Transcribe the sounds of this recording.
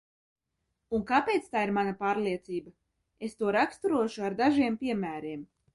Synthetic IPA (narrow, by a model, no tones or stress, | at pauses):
unkaːpʲejt̪st̪aːiɾmanapaːɾlˠiɛt̪siːba | est̪uɔɾakst̪uɾuɔʃuaɾd̪aʒiɛmpʲiɛmæːɾiɛm